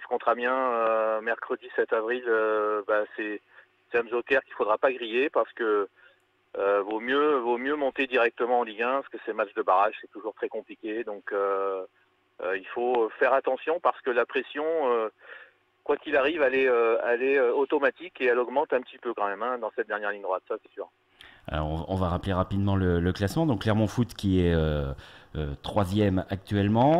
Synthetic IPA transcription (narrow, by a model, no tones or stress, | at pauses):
sə̥kɔ̃t̪χabjɛ̃ømɛʁkχəd̪isɛt̪avʁiløbasɛ | sɛamzokɛʁkʲilfod̪ʁapaɡʁijepaʁsə̥kə | vomjøvomjømɔ̃t̪ed̪iʁɛk̚t̪əmɑ̃ɑ̃liɡɛ̃paʁsəkəsɛmatt͡ʃd̪əbaʁaʒsɛt̪uʒuʁt̪χɛkɔ̃plikʲed̪ɔ̃kø | ilfofɛʁat̪ɑ̃sjɔ̃paʁsə̥kəlapχesjɔ̃ø | kwakʲilaʁivalɛøɛlɛøot̪ɔmat̪ikeɛlɔɡmɑ̃t̪ɛ̃pət̪ipøkɑ̃mɛmɛ̃d̪ɑ̃sɛt̪̚d̪ɛʁnjɛʁliɲd̪ʁwat̪sasɛ̥syːʁ | a̰lɔ̰ʁɔ̃ɔ̰̃vaʁapleʁapid̪mɑ̃lələklasmɑ̃d̪ɔ̃kːlɛʁmɑ̃fut̪kʲiɛø | øt̪χwazjɛmak̚t̪ɥɛlmɑ̃